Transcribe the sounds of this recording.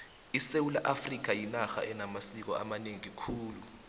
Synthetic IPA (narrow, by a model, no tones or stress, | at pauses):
isewulaʔafrik̬ajinaxa̰ɛnamasik̬ɔ̰amaneŋiikʰuːlu